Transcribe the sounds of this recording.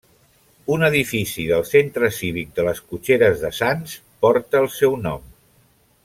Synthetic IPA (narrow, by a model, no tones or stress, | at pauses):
unəðifisiðəlˠsent̪ɾəsiβik̚d̪ələskut͡ʃeɾəzðəsans | pɔɾt̪əːlˠsɛwnɔm